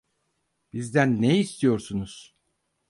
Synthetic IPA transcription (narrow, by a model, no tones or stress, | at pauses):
b̥izd̪ænːejːst̪ʰijo̞ɾsunuz̥